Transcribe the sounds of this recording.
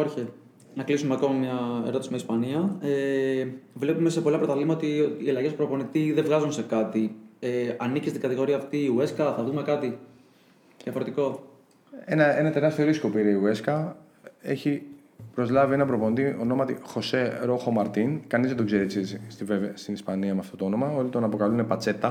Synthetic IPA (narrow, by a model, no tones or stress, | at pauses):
ɾçe | nɐklisumeɐko̞mɐmɲɐeɾo̞t̪ismɐispɐniɐe | vle̞pume̞sepo̞lɐpɾot̪ɐlimɐoott̪iːɐlɐʝe̞spɾo̞po̞nit̪iðevɣɐzunse̞kɐt̪ieɐnicist̪iɡɐt̪iɣo̞ɾiɐːft̪iːueskɐθɐðume̞kɐt̪i | jɐfoɾet̪iko̞ | enɐenɐt̪e̞ɾɐst̪ioɾiskopiɾɐiueskɐ | eçi | pɾo̞zlɐvienɐpɾoponit̪iono̞mɐt̪ixo̞se̞ɾo̞xomɐɾt̪inkɐnizðed̪o̞ɡzeɾet͡sisst̪ivevst̪inispɐniɐmeɐft̪o̞t̪oo̞no̞mɐo̞lit̪o̞nɐpo̞kɐlunepɐt͡se̞t̪ɐ